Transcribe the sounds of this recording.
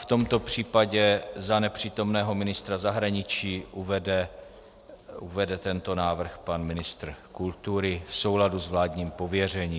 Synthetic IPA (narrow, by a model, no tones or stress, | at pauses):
ft̪o̞mt̪o̞pr̝̥iːpaɟɛzanɛpr̝̥iːt̪o̞mnɛːɦo̞mɪnɪst̪ɾazaɦɾaɲɪt͡ʃiːuvɛdɛ | uvɛdɛt̪ɛnt̪o̞naːvr̩xpanmɪnɪst̪r̩kult̪uɾɪfso̞wladuzvlaːdɲiːmpo̞vjɛr̝ɛɲiː